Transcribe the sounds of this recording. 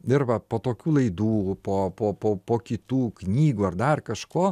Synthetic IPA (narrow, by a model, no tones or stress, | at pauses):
ɪrʋɐpoːt̪oːkʲuːlˠɐɪd̪uːpoːpoːpoːpoːkʲɪt̪uːknʲiːɡuːɐrd̪ɐrkɐʃkoː